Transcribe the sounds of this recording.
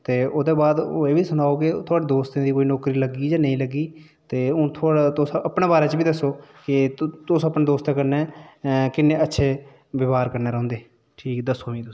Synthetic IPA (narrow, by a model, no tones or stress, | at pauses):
t̪eːʔoːd̪eːbaːd̪o̰ːeːbiːsʊnaːoːkɪt̪ʰʊaːɖiːd̪oːst̪ẽd̪iːkoːiːnɔːkɾiːləɡiːd͡ʒaːnəĩːləɡiː | t̪eːʊ̃ːt̪ʰːt̪ʊsʔəpneːbaːɾeːt͡ʃbiːd̪əsːoːkɪt̪ʊsəpnẽːd̪oːst̪ãkəɾnɛːkɪnːẽːətːʃʰeː | ʋɪʋaːɾkəɾneːɾəɦõːnd̪eː | ʈʰiːkd̪əsːoːʋĩːt̪ʊ